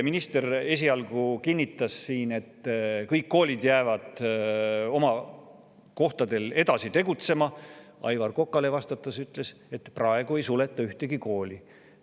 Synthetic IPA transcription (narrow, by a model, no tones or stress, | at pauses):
minist̪e̞re̞s̬ʲiɑlɡ̥ukinʲːit̪ːˑɑsːiːne̞t̪ːkɤjkːo̞ːlʲid̪jæːvɑd̪̥ | o̞mɑ | ko̞ht̪ɑd̪e̞le̞d̪ɑsit̪e̞ɡ̥ut̪se̞mɑɑ̰jvɑrko̞kːˑɑle̞vɑst̪ɑt̪ːˑɑsyt̪ˑle̞se̞t̪prɑe̞ɡ̥ue̞jsule̞t̪ːˑɑyht̪eɡ̥iko̞ːlʲi